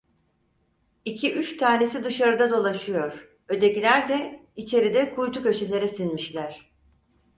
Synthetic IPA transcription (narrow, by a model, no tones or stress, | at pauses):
icʰiʔyt͡ʃt̪ʰaːne̞sid̪ɯʃaɾɯd̪ad̪o̞lˠaʃɯjo̞ɾ̥ | ø̞d̪e̞cilʲæɾd̪ɛit͡ʃʰe̞ɾid̪ɛkʰujt̪ʰucø̞t͡ʃʰelʲe̞ɾɛsinmiʃlʲæɾ̥